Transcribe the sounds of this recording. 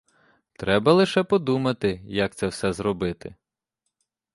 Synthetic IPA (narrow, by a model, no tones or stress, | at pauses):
t̪ɾɛbɐlˠɪʃɛpɔd̪umɐt̪ɪjɐk̚t̪sɛwsɛzɾɔbɪt̪ɪ